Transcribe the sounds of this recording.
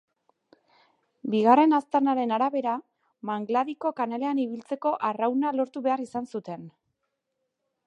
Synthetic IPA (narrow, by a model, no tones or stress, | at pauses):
biɣare̞nast̪aɾnaɾe̞naɾaβe̞ɾa | maŋɡlaðiko̞kanale̞aniβ̞ilt͡se̞ko̞ʔarawnalo̞ɾt̪uβe̞arisansut̪e̞n